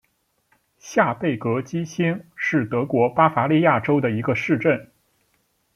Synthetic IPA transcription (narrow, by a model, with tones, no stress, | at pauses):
ɕja˥˧pe˥˩ɪkɤ˧˥t͡ɕi˥ɕi˥nʂɻ̩˥˩t̪ɤ˧˥kwɔ˧˥pa˥fa˧˥li˥˧ja˥˩ʈ͡ʂo˥ʊd̪ə˨i˧˥ɡə˧ʂɻ̩˥˧ʈ͡ʂə˥˩n